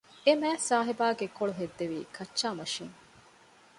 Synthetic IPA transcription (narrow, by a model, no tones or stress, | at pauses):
emæːsaːɦibaːɡekːoɭuɦed̪ːeʋiːkʰɐt͡ʃːʃaːmɐʃiŋ